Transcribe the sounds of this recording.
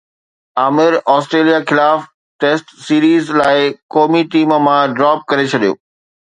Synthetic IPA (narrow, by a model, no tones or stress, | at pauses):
aːmɪɾaːsʈɾeːlijaxɪlaːf | ʈeːsʈsiːɾiːzlaːɪkoːmiʈiːməmãɖɾaːp̚kɐɾet͡ɕʰɐɗijo̰ː